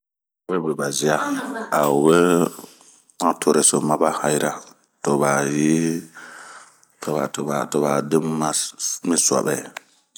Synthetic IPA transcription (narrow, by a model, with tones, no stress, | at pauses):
we˦be˨ba˨zi˦a˦a˨we˦ | mã˦tʰo˨ɾe˨so˨ma˦ba˦ha˨jɾa˦ | to˨ba˨ji˦ | to˨ba̰˨to˨ba˨to˨ba˨de˦mːa˦mi˦swa̰˨ɓɛ̰˨